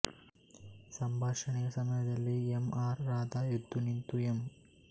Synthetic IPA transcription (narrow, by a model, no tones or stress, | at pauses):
sɐmbʱaːʂɐɳijɐsɐmɐjɐd̪ɐlːiɛmaːɾːaːd̪aːjud̪ʱːunint̪uem